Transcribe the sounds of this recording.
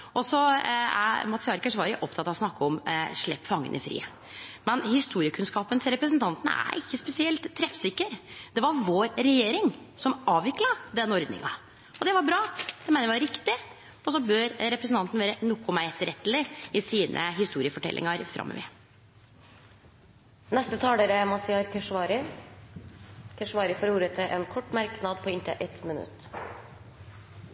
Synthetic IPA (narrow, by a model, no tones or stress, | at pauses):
ɔsɔæ̰mɑt̪sɪɑɾkəʂʋɑɾɪʔɔpt̪ʰɑt̪ɑʋɔsnɑkːəɔmʂɭɛpːfɑŋːə̰nʔɪ̰fɾḭːə | mɛnhɪst̪uːɾɪəkʰʉnskɑːpənt̪ʰɪlɾɛpɾəsnt̪ʰɑnt̪nə̰æ̰ɾʔɪçːəspɛsɪɛlt̪ʰːɾɛfsɪkːəɾd̪ɛʋɑɾʋoːɾɾɛjeːɾɪŋsɔmɑːʋʋɪklɑd̪ɛnɔɾd̪nɪ̰ŋɑ | ɔd̪ɛʋɑɾbɾɑːd̪ɛmɛɪnəjʋɾɪkt̪ɪ | ɔsɔbœɾɾɛpɾəsn̩t̪ɑnt̪n̩ʋeːɾənʊkːʊmæɪɛt̪ːəɾɛt̪ːəlɪɪsiːnʔə̰ɦɪst̪uːɾɪəfɔʈʰɛ̰lʔɪ̰ŋɑɾfɾɑ̰mʔə̰ʋɛ̰ː | nɛst̪ət̪ʰɑːləɾəmɑsɪɑɾkʰəʂʋɑːɾɪ | kʰəʂʋɑːɾɪfɔːɾuːɾət̪ʰɪʔɛnkʰɔʈːmæɾknɑd̪pʰɔɪnt̪ə̰ʔɛt̪mənʉ̰t̪ː